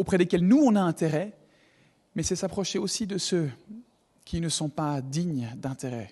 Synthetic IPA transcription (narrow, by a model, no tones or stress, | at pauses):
opχɛd̪ekʲɛlnuɔ̃naɛ̃t̪eʁɛ | mɛsɛsapχɔʃeosid̪əsø | kʲʰinəsɔ̃pad̪iɲd̪ɛ̃t̪eʁɛ